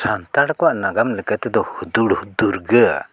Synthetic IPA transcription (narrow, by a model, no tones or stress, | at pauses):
sant̪aɽkɔwaʔnaɡamləkət̪ɛd̪ɔhud̪uɽhud̪uɾɡəa̰